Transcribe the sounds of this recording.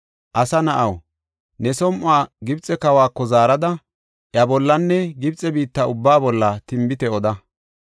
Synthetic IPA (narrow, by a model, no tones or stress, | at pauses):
ʔɐsɐnɐʔɐw | nɛsɔmʔaːɡɪbt͡sʼːɛkɐwaːkːɔzaːɾɐd̪ɐ | ʔjɐbɔlːɐnːɛɡɪbt͡sʼɛbiːt̪ːɐʊbːaːbɔlːɐt̪ɪmbɪt̪ɛɔd̪ɐ